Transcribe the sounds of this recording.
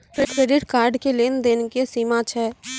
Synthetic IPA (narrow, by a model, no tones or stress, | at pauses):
pʰɪʈʰeɾɪɖkaːɾɖkeleːnd̪eːnkesiːmãt͡ʃʰɛː